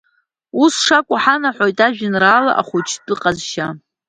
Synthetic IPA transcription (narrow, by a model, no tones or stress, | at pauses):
usʂakʷʼʊħanaħʷojtʼaʒᶣɪnraːla̰ʔa̰χʷʊt͡ʃʰdʼɨqʼazʃa